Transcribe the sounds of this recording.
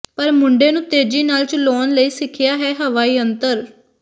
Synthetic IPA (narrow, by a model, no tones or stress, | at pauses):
pəɾmʊɳɖeːnũːt̪eːd͡ʒiːnaːlt͡ʃlɔːnləiːsɪkʰɪjaːɦɛːɦəʋaːiːənt̪əɾ